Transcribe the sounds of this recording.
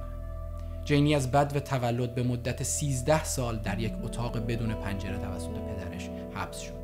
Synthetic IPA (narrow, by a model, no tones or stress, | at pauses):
d͡ʒejniːæzbæd̪væt̪ʰævælːo̞d̪̚be̞mod̪ːæt̪ʰesiːzd̪æhsɒːld̪æɾjecʰot̪ʰɒːɣebed̪uːne̞pʰænd͡ʒeɾet̪ʰævæsːo̞t̪ʰe̞pʰe̞d̪æɾeʃ | hæb̥sʃod̪̥